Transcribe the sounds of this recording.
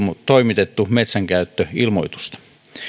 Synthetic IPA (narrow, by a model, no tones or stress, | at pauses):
t̪oimit̪et̪ːumet̪sæŋkæyt̪ːøilmoit̪u̥st̪ɑ̥